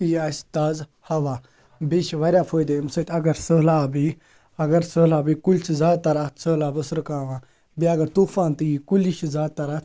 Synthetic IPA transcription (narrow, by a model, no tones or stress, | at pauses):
ijasʲt̪aːzhɐʋa | biʃʋɐɾʲjaːpʰoːjd̪emsət̪ʰʲɐɡɐɾsəlaːbi | ɐɡɐɾsəːlaːbikulʲt͡ʃʰizaːd̪̚t̪ɐɾaːt̪ʰsəːlaːbəsɾkaːʋãː | biɐɡɐɾt̪uːfaːnt̪ɨjikulʲiʃizaːd̪̚t̪ɐɾaːt̪